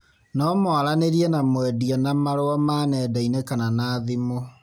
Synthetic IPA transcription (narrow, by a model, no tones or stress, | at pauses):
nɔmɔaɾaneɾiɛnamwɛdiɔnamaɾoɔmanɛdainɛkananaːðimo